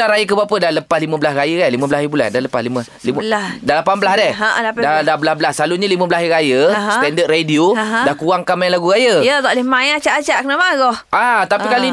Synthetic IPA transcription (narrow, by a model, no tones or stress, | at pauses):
aɾajəkəbapədaləpaslimə̃bəlasrajəkaliməbəlahibula̰daləpaslimə | limdalapanbəlahdɛhdadabəlasbəlasaluɲəlimə̃bəlaiɾajəst̪ɛndət̪̚redioɦdahkuaŋkamajlaɡuɾajəjat̪ɔʔlɪmãjat͡ʃaʔat͡ʃaʔkənamaɡɔhʔat̪apikali